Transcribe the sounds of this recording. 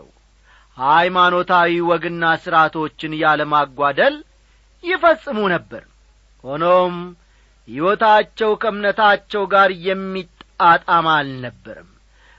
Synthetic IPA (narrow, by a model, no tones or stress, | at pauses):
w | hajmano̞t̪ʰawiwɔɡɨnːasɨɾat̪ʰo̞t͡ʃːɪnjaləmaɡʷːad̪əl | jɪfəsʼːɨmunəbːə̰ɾ | ho̞nom | hiwɔt̪at͡ʃːɛwkʰəɨmnət̪ʰat͡ʃːɛwɡaɾjɛmːit̪ʼːat̪ʼamalnəbːə̰ɾɨm